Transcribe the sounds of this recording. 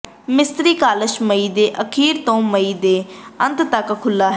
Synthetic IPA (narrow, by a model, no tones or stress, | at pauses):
mɪst̪ɾiːkaːləʃməiːd̪eːʔəkʰiːɾt̪õːməiːd̪eːə̃nt̪t̪əkkʰʊlːaːɦ